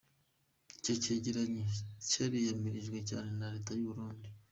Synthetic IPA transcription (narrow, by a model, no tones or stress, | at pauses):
cociɟiɾaɲicaɾijamiɾiʒɡwe̞ca̰ːnenaɾe̞ːtajuβuɾuːndi